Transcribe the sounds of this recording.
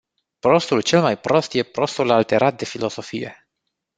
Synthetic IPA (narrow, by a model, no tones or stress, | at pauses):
pɾo̞st̪ult͡ʃe̞lmajpɾo̞st̪je̞pɾo̞st̪ulalt̪e̞ɾʔat̪̚d̪e̞filo̞so̞fije̞̰